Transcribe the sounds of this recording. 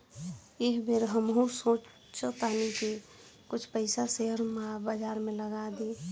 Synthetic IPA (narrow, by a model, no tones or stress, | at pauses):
eɦbeɾɦəmɦũsõːt͡ʃ | t͡ʃət̪anike | kʊt͡ʃʰpəɪsaseɦəɾmabəd͡ʒaːɾmẽləɡad̪e